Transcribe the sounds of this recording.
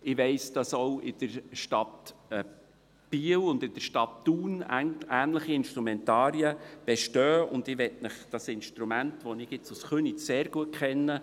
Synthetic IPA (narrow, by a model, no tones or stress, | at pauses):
ɪʋɛɪsd̥ɑsowɪd̥əɾʃtɑtː | b̥iːəwʊnd̪ɪd̥əɾʃtɑtːuːnæːnləχiɪnʃtɾumɛntɑːɾjəb̥ɛʃtœːʊ̰nd̪ɪʋɛtnəχd̥ɑsɪnʃtɾumæntʋɔnɪɡɪt͡susχønit͡sseːɾɡ̥uət̚kχɛnːə